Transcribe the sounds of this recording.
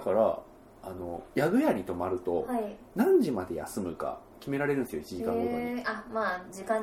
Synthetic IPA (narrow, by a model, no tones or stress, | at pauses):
kaɾa̰ | ano̞jaɡɯ̟jaɾʲit̪o̞maɾɯ̟t̪o̞hai | nãɲ̟d͡ʑimad̪e̞ja̰sɨmɯ̟ka̰ | kʲime̞ɾaɾe̞ɾɯ̟nesɨjoit͡ɕiʑikãŋɡooamaːd͡ʑikã